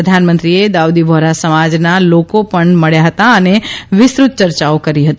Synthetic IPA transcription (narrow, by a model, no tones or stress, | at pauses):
əd̪ʱanmənt̪ɾied̪awd̪ibʱoɾasəmad͡ʒnalokopəɳməɭjaɦət̪aəneʋɪsɾut̪̚t͡ʃəɾt͡ʃaokəɾiɦət̪i